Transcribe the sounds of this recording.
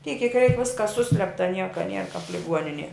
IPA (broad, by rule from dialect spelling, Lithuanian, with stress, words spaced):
tʲiɛk kʲiɛk rʲɛɪk ˈʋʲɪskɐs ˈsʊsʲlʲɛptɐ ˈnʲiɛkɐ nʲiɛr kɐp lʲɪˈɡuɔnʲɪnʲiɛ